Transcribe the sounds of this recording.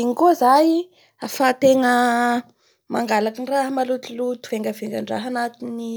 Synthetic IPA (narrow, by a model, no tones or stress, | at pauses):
iŋikozaj | afat̪eŋə | maŋɡalakinraɦmalut̪ulut̪u̥v̥eŋɡəveŋɡəɳɖ͡ʐa̰ɦanat̪ini